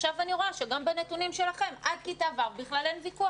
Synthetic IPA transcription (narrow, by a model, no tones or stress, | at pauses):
ʃavaniʁoaʃeɡambenet̪unimʃe̞laχe̞mʔad̚kit̪aːvaʁbiχlalenvikua